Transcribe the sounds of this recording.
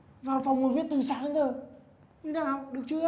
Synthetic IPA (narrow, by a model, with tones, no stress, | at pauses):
vaː˨˩wfa˨˩wŋ͡mmo˨˩t̚wi˦˥ət̚t̪i˨˩ŋsa̰ː˧˨nə˨˧˦ŋzə˨˩ | nɨ˨˧˦naː˨˩ha̰˧˨wɗɨ˨˩ək̚t͡ɕɨ˧˦